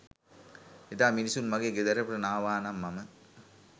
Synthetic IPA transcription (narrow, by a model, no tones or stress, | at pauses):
ed̪aːminisunmɐɡeɡed̪ɐɾɐpɾɐnaːʋaːnɐmːɐmɐ